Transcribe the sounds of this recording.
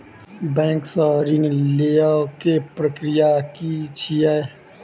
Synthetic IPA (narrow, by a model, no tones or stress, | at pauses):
bɛ̃ːŋksɔɾinleakepɾəkɾɪjakit͡ʃʰiɛ